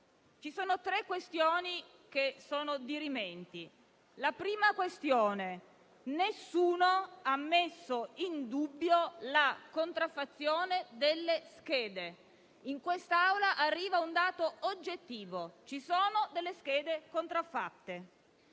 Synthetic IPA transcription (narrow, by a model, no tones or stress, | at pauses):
t͡ʃisoːnot̪ɾekːwest̪joːni | kesoːnod̪iɾimɛnt̪i | lapɾiːmakwest̪joːne | nesːuːnoamːesːoind̪ubːjolakont̪ɾafːat̪sːjoːned̪elːesk̟eːd̪e | iŋkwest̪aawlaʔarːiːvaund̪aːt̪oːd͡ʒːet̪ːiːvot͡ʃisoːnod̪elːesk̟ɛːd̪ekont̪ɾafːat̪ːe